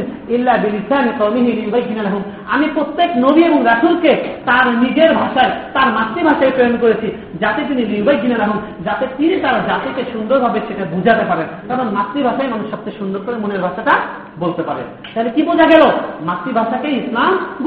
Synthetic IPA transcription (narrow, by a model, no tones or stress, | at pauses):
n | ilːabilid̪ʰʱːaamik̪ɔmiɦiliubajɡinalaɦum | a̰mipɾot̪ːeknobieboŋɾaʈʰulket̪aɾmiɡeɾbʱaʃaet̪aɾmat̪ːɾibʱaʃaejpɾojonkoɾet͡ɕʰi | d͡ʑat̪et̪̬iniliubajɡʱinalaɦum | d͡ʑat̪et̪init̪aɾad͡ʑat̪ekeʃund̪oɾbʱabeʃeʈabud͡ʑʱat̪epaɾenkaɾonmat̪ɾibʱaʃaemanuʃʃɔb̚t̪ʰeʃund̪oɾkoɾemuneɾbʱaʃaʈa | bolt̪epaɾḛn | t̪aɦelekibud͡ʑʱaɡɛlomat̪ɾibʱaʃakeislamb